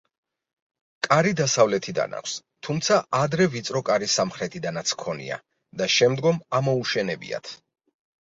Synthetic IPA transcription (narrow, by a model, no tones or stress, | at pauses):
kʼaɾid̪asavlɛt̪ʰid̪a̰na̰kʰʷs | t̪ʰumt̪sʰaʔad̪ɾɛvit̪sʼɾɔkʼaɾisamχɾɛt̪ʰid̪anat̪sʰkʰɔnḭa̰ | d̪aʃɛmd̪ɡɔmamɔuʃɛnɛbḭa̰t̪ʰ